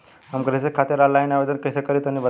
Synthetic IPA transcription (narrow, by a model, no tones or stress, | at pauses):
amkɾesekʰat̪iːɾalajnaʋed̪ənkəsekəɾiːt̪anːibə